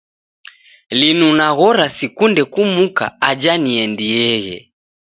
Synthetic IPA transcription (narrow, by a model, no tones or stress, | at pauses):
linunaɣɔɾasikundɛkumuka̰ad͡ʒaniɛndiɛɣɛ̰